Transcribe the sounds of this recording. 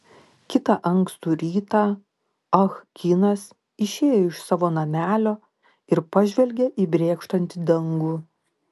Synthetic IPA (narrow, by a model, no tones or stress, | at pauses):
kʲɪt̪ɑʔɐŋkst̪uːɾʲiːt̪ɑ | ɐxkʲinɐs | ɪʃʲeːjɛɪʃsɑːʋoːnɐmʲæːlʲoː | ɪɾpɐʒʲʋʲɛlʲɡʲeʔiːbʲɾʲeːkʃt̪ɐnʲt̪ʲɪd̪ɐŋɡuː